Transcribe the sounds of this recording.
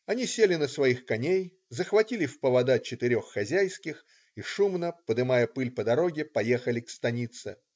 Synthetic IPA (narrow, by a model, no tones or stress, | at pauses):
ɐnʲisʲelʲɪnəsvɐixkɐnʲej | zəxvɐtʲilʲɪfpəvɐd̪at͡ɕɪt̪ɪɾʲo̞xːɐzʲæjskʲɪx | iʂumnəpəd̪ɨmajəpɨlʲpəd̪ɐɾo̞ɡʲɪpɐjexəlʲɪkst̪ɐnʲit̪sɨ̰